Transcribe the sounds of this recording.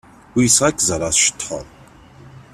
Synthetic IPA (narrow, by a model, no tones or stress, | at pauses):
wisʁakʲʰʼzaɾasʃtʰħa̰r